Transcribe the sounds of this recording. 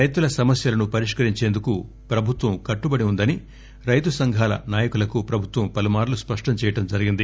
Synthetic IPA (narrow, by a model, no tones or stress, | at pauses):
ɾɐjt̪ulɐsɐmɐsjɐlɐnupɐɾiʂkɐɾiɲt͡ʃe̞ːnd̪uku | pɾɐbʱut̪ʋɐmkɐʈːubɐɽiund̪ɐni | ɾɐjt̪usɐŋɡʱaːlɐ̰naːjɐkulɐkupɾɐbʱut̪ʋɐmpɐlumaːɾluspɐʂʈɐmt͡ʃɛːjɐʈɐmd͡ʒɐɾiɡind̪i